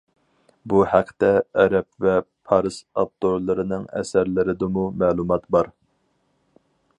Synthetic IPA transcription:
buhæqʰːt̪ɛɛɾɛp̚vɛpʰɑɾɨsɑp̚t̪ːoɾlˠɨɾɨnɨŋɛ̰sæɾlɪɾɪd̪ɨmumæːlˠumɑt̪bɑɾ

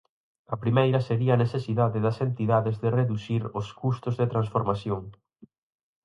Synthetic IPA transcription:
ɐpɾimejɾɐseɾiɐːneθesiðaðɪðɐsent̪iðaðɪzðɪreðuθiɾʊskust̪ʊzðet̪ɾansfoɾmaθjoŋ

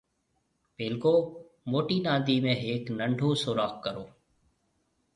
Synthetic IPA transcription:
peːlkoː | moːʈiːnãːd̪iːmẽːɦeːknəɳɖʱoːsoːɾaːkkəɾoː

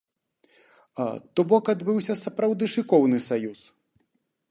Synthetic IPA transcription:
a̰t̪ɔbɔkad̪bɨwsʲɐsɐpɾawd̪ɨʂɨkɔwnɨsajus

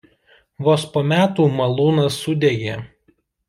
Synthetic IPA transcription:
ʋoːspoːmʲæːt̪uːmɐlˠuːnɐsːʊd̪ʲeɡʲeː

